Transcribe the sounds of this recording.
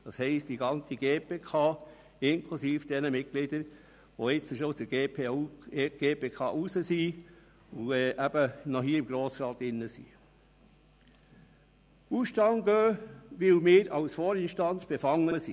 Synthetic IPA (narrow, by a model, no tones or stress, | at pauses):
d̥ɑshɛɪstd̥iɡɑnt͡siɡ̥eːpeːkʰɑː | ɪnkʰlusiːfd̥ɛnəmɪtɡlɪdəɾ | ʋoɪt͡səʃosd̥əɾɡeːpʰeuɡ̥eːpeːkʰɑ̰ːʔusəsi | uɛːʔæb̥ənɔɦiːəɪmɡ̥ɾoːsɾɑːt̪ɪnːəsḭː | uʃtɑŋɡøːʋɪwmɪːɾɑwsfɔːɾɪnʃtɑnt͡sb̥efɑŋːəəsḭ